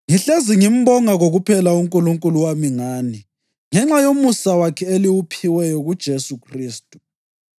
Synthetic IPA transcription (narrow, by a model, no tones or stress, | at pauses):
ŋiɬeziŋim̩bɔŋaɣoɣupʰɛlauŋkʼuluŋkʼuluwamiŋaːni | ŋɛŋ͡ǁajomusawakʰɛeliwupʰiwɛjɔɣud̥ʒ̥ʱesukʰriːstʼu̥